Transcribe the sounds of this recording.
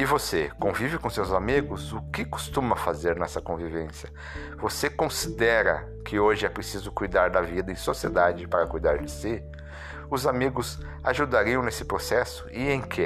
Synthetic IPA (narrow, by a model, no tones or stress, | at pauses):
ɪvosekõvivɪkõsewzamiɡʊzʊkɪkʊ̥st̪ũmɐfazeɾnɛsɐkõvivẽsjɐ | vosekõsid̪ɛɾɐ̰ | kʰɪoʒɪɛpɾesizʊkujd̪aɾd̪ɐvid̪ɐẽj̃soɐsied̪ad͡ʒɪpaɾɐkujd̪aɾd͡ʒɪsɪ | ʊzamiɡʊz | aʒud̪aɾiɐ̃w̃nesɪ̥pɾosɛsʊ̥ɪẽj̃kʰɪ